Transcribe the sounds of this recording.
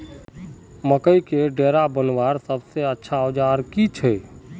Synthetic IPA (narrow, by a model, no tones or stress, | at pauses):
məkəikeɖeːɾabənʋaːɾsəbseətːʃʰaod͡ʒaːɾkit͡ʃʰɛː